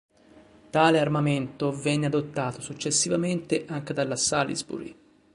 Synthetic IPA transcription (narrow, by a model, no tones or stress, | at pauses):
t̪aːlearmament̪ovɛnːead̪ot̪ːaːt̪osut͡ʃːesːivament̪eʔaŋk̟ed̪alːasalḭzbṵɾ